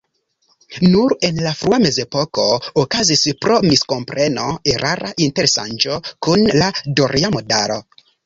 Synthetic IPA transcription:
nuɾe̞nlafɾuame̞ze̞po̞ko̞ːkazispɾo̞misko̞mpɾʔe̞no̞eɾʔaɾaʔinte̞ɾesa̰nd͡ʒo̞kunladoɾʔiamodaɾo̞̰

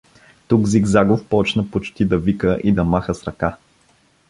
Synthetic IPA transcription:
t̪uɡziɡzaɡofpɔt͡ʃnəpot͡ʃt̪id̪ɐvikəʔid̪ɐmaxəsɾɐka

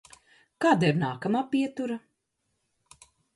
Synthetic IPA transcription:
kaːd̪aiɾnaːkamaːpiɛt̪uɾa

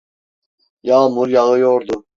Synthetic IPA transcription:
jaːmuɾjɑɣəjoːɾd̪u

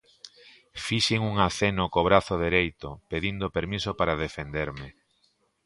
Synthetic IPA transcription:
fiʃiŋuŋaθenokoβɾaθoðeɾejt̪opeðind̪opeɾmisopaɾaðefend̪eɾmɪ

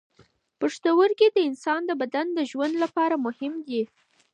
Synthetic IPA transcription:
pəʂt̪əwəɾked̪əɪnsɑnd̪əbad̪and̪əʒwand̪lapɑɾamʊhɪmd̪i

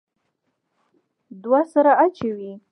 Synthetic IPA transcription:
d̪wasaɾaʔat͡ʃawi

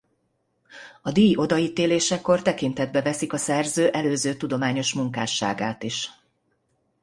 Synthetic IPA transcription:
ɒd̪iːjo̞d̪ɒiːt̪eːleːʃɛkːo̞rt̪ɛkint̪ɛd̪̚bɛvɛsikɒsɛrzøːʔɛløːzøːt̪ud̪o̞maːɲo̞ʃmuŋkaːʃa̰ːɡa̰ːt̪iʃ

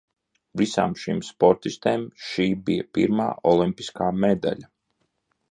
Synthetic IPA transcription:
visa̰ːmʃimspɔɾt̪ist̪eːmʃiːbijapḭɾma̰ːʔɔlˠimpi̥skaːmɛd̪a̰lʲa

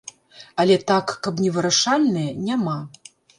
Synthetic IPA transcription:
ɐlʲɛt̪akːɐpnʲɛvɨɾaʂalʲnɨjɐnʲama

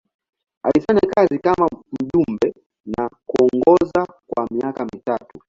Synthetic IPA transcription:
a̰lifaɲakazikamam̩ʄumbɛ | nakuɔŋɡɔza | kwamiakamitatu

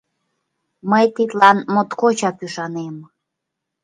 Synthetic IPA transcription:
məjt̪it̪lɑnmot̪kot͡ɕɑpyʃɑnem

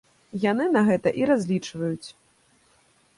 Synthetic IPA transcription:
jan̪ɨnɐɣɛt̪ɐʔiɾazʲlʲit͡ʂvɐjut͡sʲ

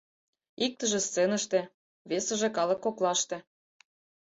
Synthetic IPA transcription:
ik̚t̪əʒĕst͡senəʃt̪ĕ | βesə̆ʒĕkɑlɤ̆kːoklɑʃt̪ĕ

